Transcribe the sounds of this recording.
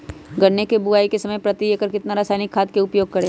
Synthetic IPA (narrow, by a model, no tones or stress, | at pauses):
ɡɐɽnekebʊaːikesɐməjpɾɐt̪ieːkəɾkɪt̪naɾaːsaːnɪkʰːaːd̪̚keʊpjoːɡ̚kɐɾẽː